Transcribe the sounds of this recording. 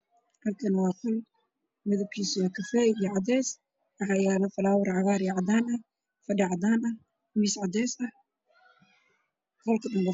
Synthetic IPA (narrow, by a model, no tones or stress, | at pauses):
hɐlkʰɐnɐwɑːqʰɐl | mɐðɐb̚kʰiːswkʰɐfɛjijɔʕɑd̪ɛːs | ɐʕɑjaːlɐfɐlaːwɑɾʕɑɣaːɾijɐʕɑd̪aːnɐh | fɐɖɪʕɑd̪aːnɐh | miːsʕɑd̪ɛːsɐh | kɔlkʰɐd̪ɐmbɐ